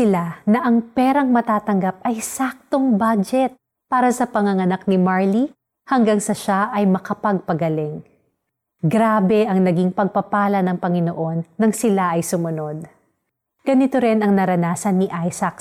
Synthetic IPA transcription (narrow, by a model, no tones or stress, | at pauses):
ɪlanɐʔɐŋpɛɾɐŋmɐt̪aːt̪ɐŋɡap̚ɐjsak̚t̪oŋbad͡ʒɛt̪̚ | paːɾɐsɐpɐŋɐŋɐnak̚nɪmaɹli | hɐŋɡaŋsɐʃaʔɐjmɐkɐpɐɡ̚pɐɡɐlɛŋ | ɡɾaːbɛʔɐŋnɐɡiŋpɐɡ̚pɐpaːlɐnɐŋpɐŋɪnoʔo̞nːɐŋsɪlaʔɐjsʊmʊnod̪̚ | ɡ̥ɐnɪt̪oɾɪnɐŋnɐɾɐnaːsɐnːiʔajsɐk